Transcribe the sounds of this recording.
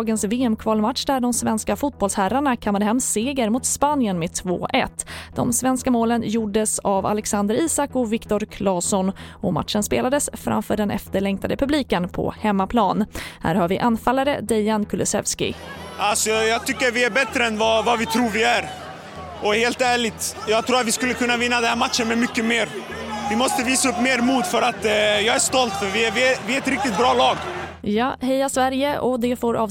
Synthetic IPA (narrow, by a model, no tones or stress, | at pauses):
ɡənsveːɛmkʰvɑːlmat̪ʂd̪æɖɔmsvɛnskafut̪̚bɔlshæɾaɳakʰamːad̪əɦɛmːseːɡəɾmʊt̪spanjənmeːt̪ʰvo̰ːʔɛ̰t̪ːd̪̥ɔ̰msvɛnskamoːlənjuɖːəsava̰lɛksand̪əɾiːsakːɔvɪkt̪ɔɾkʰlɑːsɔnɔma̰t̪ʂənspḛːlad̪əsfɾa̰mfœːɖɛnʔɛ̰ft̪əɭɛŋkt̪ʰad̪əpʰɵbliːkənpʰɔ̰hɛmːapʰlɑːnhæ̰ːɾhɑːɾvɪʔanːfalːaɾə̰d̪ɛjankʰɵlɪsɛ̰vskɪ̰ʔalsɔjɑːɡ̚t̪ʰʏkːəɾvɪæɾbɛt̪ɾəɛnvɑvavɪt̪ʰɾuːɾvɪæɾ | ɔheːlt̪æːɭɪt̪jɑːɡ̚t̪ʰɾuːɾat̪vɪskɵlːəkʰɵnːavɪnːad̪ɛnhæɾmat̪ʂənmɛmʏkːəmeːɾ | vɪmɔst̪əviːsaɵpːmeːɾmuːt̪fœɾat̪jɑːɡæʂt̪ɔlt̪fœɾvɪvɪvɪɛɛt̪ɾɪk̚t̪ɪt̪̚bɾɑːlɑːɡ | jɑːhɛjasvæɾjəʔɔd̪ɛfoːɾʔɑːv